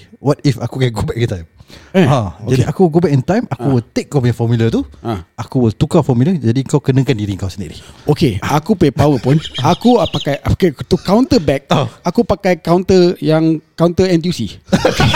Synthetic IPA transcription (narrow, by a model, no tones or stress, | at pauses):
wɔt̚ifakukɛɡubɛk̚it̪ajmad͡ʒaiʔakuɡubɛʔint̪ajmakkuwəlt̪ek̚kapaɲafɔmilət̪uaakuwəlt̪ukafɔmiləd͡ʒadiəŋkawkənə̃kandiɾiŋkawsənḭʔlihokeakupuapawəpʊnakupakajapakajt̪ukawnt̪əbɛk̚aakupakajkawnt̪əjaŋkawnt̪əɛnt̪usi